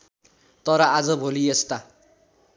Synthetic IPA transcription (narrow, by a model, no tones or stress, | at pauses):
t̪ʌɾʌad͡zʌbʱoliest̪a